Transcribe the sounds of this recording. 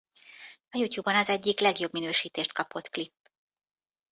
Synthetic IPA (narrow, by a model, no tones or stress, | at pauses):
ɒjucjuːbːɒnɒzɛɟːiklɛɡjo̞bminøːʃiːt̪eːʃt̪̚kɒpo̞t̪klipː